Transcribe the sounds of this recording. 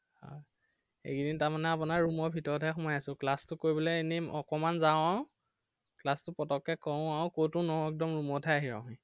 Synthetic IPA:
hɔ̰j | ḛkidintaɹmanɛapunaɹɹumɔɹbʱitɔɹɔtʰaxʊmajasʊ̃klastʊkoɹibɔlɛenimʔɔkɔmanzaaw̃ | klastʊpɔtɔkːɛkɔ̃aʊ̃kowtʊnɔɛk̚dɔmɹumɔtʰaaɦiɹã̰ʊ̃ɦĩ

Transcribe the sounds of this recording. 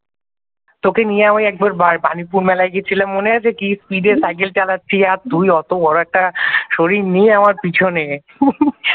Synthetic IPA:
t̪okenijeamajɛk̚baɾbaɾbanipuɾmɛlajɡet͡ɕʰilammoneat͡ɕʰekispiɖeɾsajk̬elt͡ɕalatːɕʰiaɾt̪ujɔt̪obɔɾoɛk̚ʈaʃoɾiɾnijeamaɾpit͡ɕʰone

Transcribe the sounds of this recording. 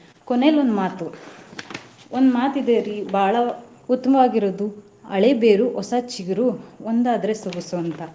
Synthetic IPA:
kone̞ːlond̪maːt̪u | ond̪maːt̪id̪eɾibʱaːɭɐ | ut̪ːɐmɐʋaːɡiɾod̪u | ɐ̰ɭebeːɾuʔɔsɐt͡ʃiɡɐɾuond̪aːd̪ɐɾesoɡusuɐnt̪ɐ

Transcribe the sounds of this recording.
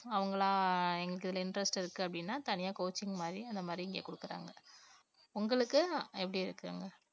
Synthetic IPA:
ɐʋɐŋɡɐɭãːɛŋɡɐɭɯkːɪðɐlɐɪnɖɾɛsʈɪɾɯkːɯɐpːɐɽɪnːaːt̪ɐnɪjaːkoːt͡ʃːɪŋɡɐmaːd̪ɾiɐnd̪ɐmaːd̪ɾiɪŋɡḛːkʊɽɯkːɯɾa̰ːŋɡɐ | ʊŋɡɐɭɯkːɯɛpːɐɽiɪɾɯkːɯ̰ːŋɡɐ

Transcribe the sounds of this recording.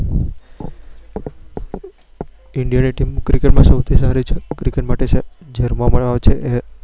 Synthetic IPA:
ɪɳɖijaniʈimkɾikeʈmãsəwt̪ʰisaɾit͡ʃʰekɾikeʈmaʈes | d͡ʒeɾmaməɭʋaʋet͡ʃʰeʔe

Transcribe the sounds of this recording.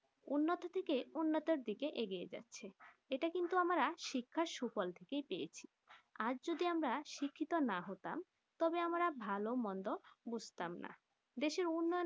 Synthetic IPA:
unːot̪ot̪ʰekeunːot̪oɾd̪ikeʔeɡied͡ʑa̰tːɕʰe | eʈakint̪uamaɾaʃikʰːaʃufɔlt̪ʰekejpejet͡ɕʰi | ad͡ʑd͡ʑod̪iamɾaʃikʰːit̪onaɦot̪am | t̪ɔbeamaɾabʱalomɔnd̪obud͡ʑʱt̪amna̰ | d̪eʃeɾunːɔo

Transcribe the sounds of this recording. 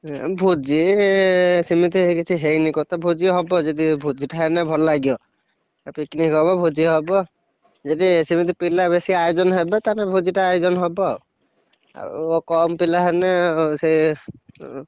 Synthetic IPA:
bʱud͡ʒi | simit̪̬iekit͡ʃʰiɦejnikɔt̪ɔbʱud͡ʒiɦɔbɔd͡ʒed̪ibʱud͡ʒiʈaɦɛnɛbʱɔllaɡiɔ | piknikɦɔbɔbʱud͡ʒiɦɔbɔ | d͡ʒed̪isimit̪̬ipilabesiajd͡ʒɔnɦɛbɛt̪anɛbʱud͡ʒiʈaːjzɔnɦɔbɔ | a̰ɔkɔmpilaɦɛnɛsej

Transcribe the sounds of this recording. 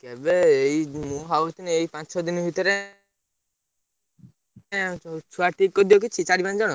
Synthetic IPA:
kɛbeeimũɦawit̪inieipãt͡ʃsɔd̪inɔbʱit̪ɔɾe | t͡ʃʰuaʈikːɔd̪iɔk̬it͡ʃʰit͡ʃaɽiband͡ʒɔɽɔ

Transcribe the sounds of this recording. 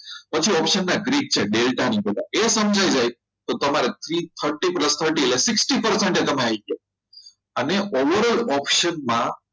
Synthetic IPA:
pət͡ʃʰiɔpʃənːaɡɾiɡ̚t͡ɕʰeɖelʈankəd̪a̰ʔesəmd͡ʒʱajd͡ʒaj | t̪ot̪əmaɾet̪ʰɾit̪ʰəɾʈipləst̪ʰəɾʈilesɪksʈipəɾseɳʈet̪əmeajk̪ʰe | əneoʋəɾəlɔpʃənmã

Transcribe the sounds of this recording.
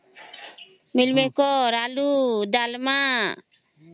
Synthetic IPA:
milmɛkɔɾalud̪alma

